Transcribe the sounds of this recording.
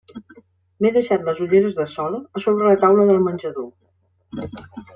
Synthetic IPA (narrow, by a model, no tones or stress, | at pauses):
meðəʃat̪ləzuʎeɾəzðəsɔləːsoβɾələt̪awləðəlˠmənʲʒəðo